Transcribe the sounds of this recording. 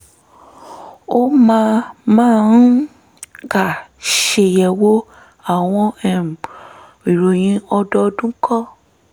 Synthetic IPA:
o˦mãː˦mãː˦˨˦ | ɡa˨ʃe˧jɛ˨wo˦ | a˦˨w̃ɔ̃˧ɛ˨ | i˨ɾo˨j̃ĩ˨˦ɔ˧dɔ˧˦˧dũ˦kʰɔ˦

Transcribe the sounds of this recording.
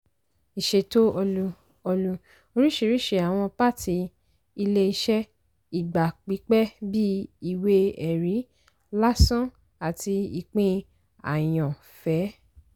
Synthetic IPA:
i˨ʃe˧˨to˦ɔ˧lu˧ | ɔ˧lu˧ | o˧ɾi˦ʃe˦˧˨ɾi˦ʃe˧˨a˨w̃ɔ̃˧pa˦˨tʰi˨˧ | i˧le˦i˧ʃɛ˦ | i˨ɡ͡ba˨k͡pi˨˦k͡pɛ˦bi˦i˨we˧ɛ˨ɾi˨˦ | la˦sɔ̃˦ | a˨ti˧i˨k͡pĩ˦ | a̰˨j̃ɔ̃˨ | fɛ˨˦

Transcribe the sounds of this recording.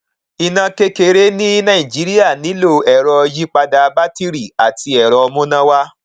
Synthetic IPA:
i˨nã˧ke˧ke˧ɾe˨˦nĩ˦nã˦˨ĩ˨d͡ʒi˨˦ɾi˦a˦˨nĩ˨˦lo˦˨ɛ˨ɾɔ˧ji˦k͡pa˧da˧ba˦ti˦ɾi˦˨a˨ti˧ɛ˨ɾɔ˧mũ˦nã˦wa˦

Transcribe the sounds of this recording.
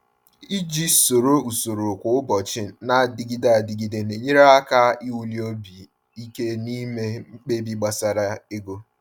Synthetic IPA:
i˦d͡ʒi˦so˨ɾo˦u˨so˨ɾo˨kʷʊ˨ʊ˦bɔ˨t͡ʃɪ˦na˦di˦ɡi˦da˦˨di˨ɡi˦de˨ne˨ɲe˦ɾe˦a˦ka˦i˦wu˨li˦o˦bi˨ | i˦ke˦ni˦me˦k͡pe˦bi˨ɡ͡ba˨sa˨ɾa˦e˦ɡo˦

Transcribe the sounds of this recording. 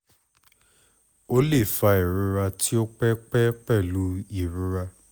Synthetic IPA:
o˦le˦˨fa˧i˨ɾũ˧˦ɾa˧ti˦o˦k͡pɛ˦k͡pɛ˦k͡pɛ˦˨lu˨˦i˦˨ɾũ˦ɾa˧

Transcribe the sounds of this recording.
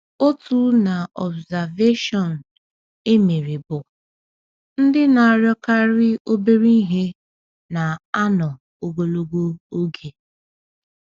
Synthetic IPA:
o˦tu˦na˨ɔ˨bza˨ve˦ʃɔ˨n̩˨ | e˦me˨ɾɪ˨bʊ˨ | n̩˦dɪ˦na˨a˨ɾjɔ˦ka˦ɾɪ˦o˦be˦ɾi˦ɦe˦ | na˨a˦nɔ˨ | o˨ɡo˨lo˨ɡʷo˦o˦ɡe˨

